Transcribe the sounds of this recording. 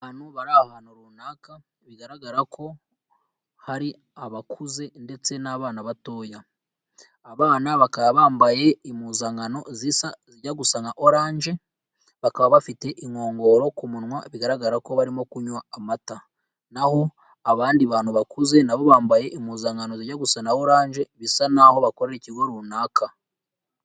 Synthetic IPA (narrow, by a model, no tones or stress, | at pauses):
aːnhuβaɾahanoɾunaːka | βiɡaɾaɡaɾakʰo̞ | haɾi | aβakʰuze̞nde̞t͡se̞naβaːnaβato̞ːjaː | βaːnaβakaβaβaːmbaje̞imuːzaŋɡano̞zisaziɟaɡusaŋaʔo̞ɾaːɲʒe̞ | βakaβaβafite̞ʔiŋo̞ːŋɡo̞ɾo̞kumunwaβiɡaɾaɡaɾako̞βaɾimo̞kuɲwaːmata | naho̞ | aβaːndiβaːnhuβakuze̞naβo̞βaːmbaje̞ʔimuːzaŋɡano̞ziɾɟaɡusanaoɾaːɲʒe̞βisanaho̞βako̞ɾe̞ɾiciɡo̞ɾuːnaːkʰa